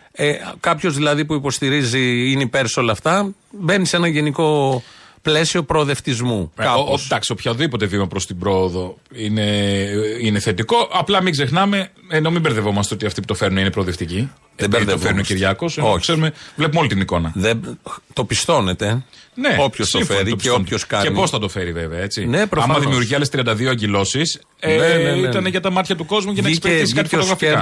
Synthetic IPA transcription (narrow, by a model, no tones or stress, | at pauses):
ekɐpço̞zðilɐðipuipo̞st̪iɾiziineipe̞ɾso̞lɐːft̪ɐ | be̞nise̞nɐʝe̞niko̞ple̞sio̞pɾo̞ðe̞ft̪izmukɐoddɐksiopçɐðipo̞t̪e̞vimɐpɾost̪ibɾo̞ːðo̞ine | ine̞θe̞t̪iko̞ʔɐplɐmiɡze̞xnɐme̞ | eno̞mibeɾðevo̞mɐst̪eo̞t̪iɐft̪ipu̥t̪ofe̞ɾnuninepɾo̞ːðeft̪ici | ðeeiɾðiofeɾunociɾʝɐko̞sokseɾumevlepumo̞lit̪iniko̞nɐðet̪o̞pist̪o̞net̪ene̞opçossifɾioint̪oskɐenpo̞sθɐt̪o̞fe̞ɾive̞veɐe̞t͡sinepɾoɐmɐðimiuɾʝiɐlest̪ɾiɐnd̪ɐðioɐɲɟilo̞sis | eit̪ɐneʝɐt̪ɐmɐt̪çɐt̪uko̞zmucɐnneseɾtisi̥kɐtiotoɣɾɐfikɐ